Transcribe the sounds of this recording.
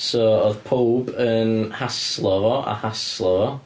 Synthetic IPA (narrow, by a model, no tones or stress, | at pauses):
sɔɔðpʰowbənhaslˠɔvɔʔa̰haslˠɔvɔ